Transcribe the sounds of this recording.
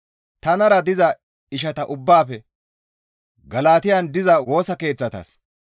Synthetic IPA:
t̪ɐnɐɾɐd̪ɪzɐ | ɪʃ̬ɐt̪ɐʔʊbːaːfɛ | ɡɐlaːt̪ɪjand̪ɪzɐwo̞ːsɐke̞ːt͡sːɐt̪ɐ̰s

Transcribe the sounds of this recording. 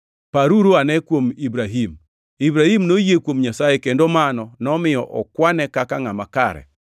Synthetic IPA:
paɾuɾoanɛkwomibɾaɦim | ibɾahimnojekwomɲasajɛkendomanɔnɔmɪjɔʔɔkwanɛkakaŋamakaɾɛ̰

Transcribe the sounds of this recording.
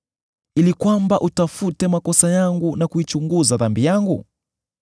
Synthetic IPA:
ilikwambaʔutafutɛmakɔsajaŋɡunakuit͡ʃuŋɡuzaðambijaŋɡu

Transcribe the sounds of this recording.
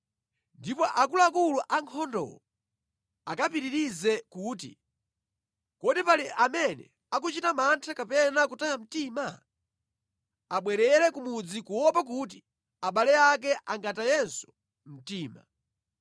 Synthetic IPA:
ndipɔʔakuluakuluʔaŋkʰɔndɔ̰wɔ | akapiɾiɾizɛkuːtḭ | kɔdipaliʔamɛnɛ̰ | ak̬ut͡ʃitamantʰakapɛnakutajam̩tima | aɓwɛɾɛɾɛkumud͡zikuwɔpak̬ut̬i̥ | aɓalɛak̬ɛʔaŋɡatajɛnsu̥ | m̩tiːma̰

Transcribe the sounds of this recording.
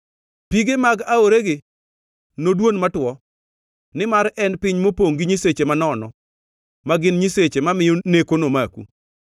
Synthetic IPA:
piɡemaɡaoɾeɡɪ | nodwonmatwɔ | nɪmaɾɛnpɪɲmopoŋɡɪɲiset͡ʃemanɔnɔ | maɡɪnɲiset͡ʃemamɪjonekonomakṵ

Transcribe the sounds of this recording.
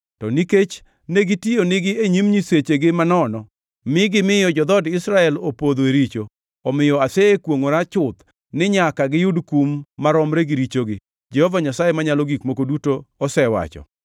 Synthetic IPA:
tɔniket͡ʃ | neɡitionɪɡɪeɲimɲiset͡ʃeɡɪmanɔnɔ | mɪɡɪmɪjɔd͡ʒɔd̪ɔdɪsɾaɛlopod̪oeɾit͡ʃo | ɔmɪjɔasekwoŋoɾat͡ʃʊt̪ | nɪɲakaɡɪjudkumːaɾɔmɾeɡiɾit͡ʃoɡɪ | d͡ʒɛhɔvaɲasajemaɲalɔɡikmokodutoːsɛwa̰t͡ʃɔ̰

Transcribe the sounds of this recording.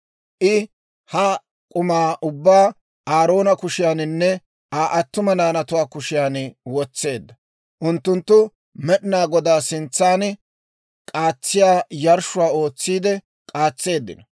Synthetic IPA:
ʔɪ | hɐ | kʼʊmaːʔʊbːaː | aːɾo̞ːnɐkʊʃɪjaːnɪnːɛ | aːʔɐt̪ːʊmɐnaːnɐt̪ʊwaːkʊʃɪjaːnwɔt͡sːe̞ːd̪ːɐ | ʔʊnt̪ːʊnt̪ːʊ | mɛɗɪnaːɡɔd̪aːsɪnt͡sːaːn | kʼaːt͡sːɪjaːjɐɾʃʊwaːo̞ːt͡sːiːd̪ɛ | kʼaːt͡sːe̞ːd̪ːɪ̰nɐ

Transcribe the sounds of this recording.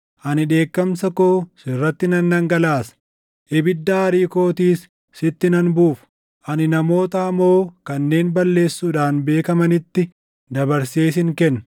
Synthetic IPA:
ʔɐnɪᶑe̞ːkːɐmsɐkoːsɪrːɐt̪ːɪnɐnːɐŋɡɐlaːs | ʔɛbɪd̪ːaːɐɾiːko̞ːt̪iːsː | ɪt̪ːɪnɐnbuːfʊ̥ | ʔɐnɪnɐmo̞ːt̪ɐɐmo̞ːkɐnːe̞ːnbɐlːe̞ːsːuːᶑaːnbe̞ːkɐmɐnɪt̪ːɪ | d̪ɐbɐɾseːs̬ɪŋkɛnːɐ

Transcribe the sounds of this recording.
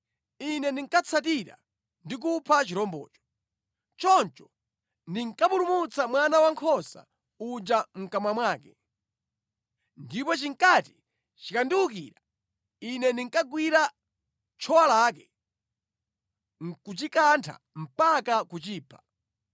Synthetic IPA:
inɛndiŋkat͡sʰat̬iɾa̰ | ndik̬upʰat͡ʃiɾɔmbɔ̰ːt͡ʃɔ̥ | t͡ʃɔnt͡ʃɔ | ndiŋkapulumut͡samwanawaŋkʰɔsa̰ | ud͡ʒam̩kamamwaːkɛ | ndipɔt͡ʃiŋkati̥ | t͡ʃikandiwukiɾa | inɛndiŋkaɡwiɾa | t͡ʃʰɔwalakɛ | ŋkut͡ʃikantʰa̰ | m̩pakakut͡ʃiːpʰḁ

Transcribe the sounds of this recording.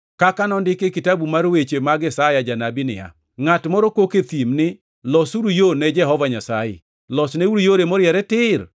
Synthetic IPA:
kakanɔndɪkekɪtabumaɾwet͡ʃemaɡɪsajad͡ʒanabɪnɪ̰ja̰ | ŋatmɔɾɔkoket̪imnɪ | lɔsuɾujonɛd͡ʒɛɦɔvaɲasajɛ̰ | lɔsnɛuɾujoɾemɔɾɪjɛɾɛtɪr

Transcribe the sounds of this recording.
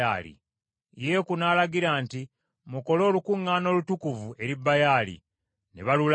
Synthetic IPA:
a̰ːlḭ | je̞kunaːlaɡiɾaːnti | muko̞lo̞ːlukuŋːaːno̞ːlutukuvue̞ɾibːajaːlḭ | ne̞̰βalul

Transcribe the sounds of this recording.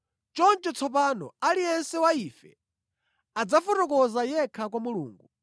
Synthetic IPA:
t͡ʃɔnt͡ʃɛt͡sʰɔp̬anɔ̰alijɛnsɛwaifɛ | ad͡zafɔtɔkɔzajɛkʰakwamulṵːŋɡu

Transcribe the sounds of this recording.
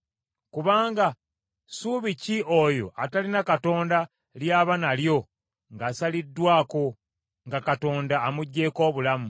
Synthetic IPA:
kuβaːŋɡa | suːβiciʔojo̞̰ʔatalinakato̞ːnda | ljaːβanaljo̞ | ŋɡasalidːwaːko̞ | ŋɡakato̞ːndaːmuɟːe̞ːko̞ːβulamu

